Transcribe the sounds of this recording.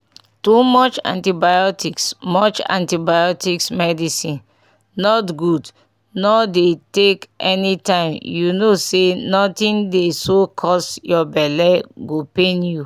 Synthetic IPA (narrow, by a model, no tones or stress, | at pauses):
tumɔt͡ʃã̰ntibajɔtiksmɔt͡ʃã̰ntibajɔtiksmɛdisĩn | nɔtɡud | nɔdetekʔɛnitãɪ̃mjunosenɔtĩndesokʰɔsjɔbɛlɛɡopẽnju